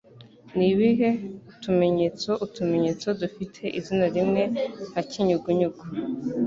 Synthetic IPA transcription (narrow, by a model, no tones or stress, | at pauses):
niβiɦe̞utume̞ɲet͡so̞ʔutume̞ɲet͡so̞dufitʰe̞ʔizinaɾimŋe̞haciɲuɡuɲuɡu